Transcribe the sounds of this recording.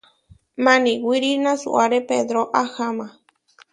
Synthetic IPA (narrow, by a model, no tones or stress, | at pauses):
mãnĩwʷiɾinãsṵʔaɾeped̪ɾoʔahamã